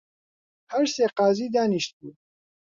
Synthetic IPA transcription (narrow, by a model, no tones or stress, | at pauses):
hæɾseːqɑːziːd̪aːniʃt̪̚buː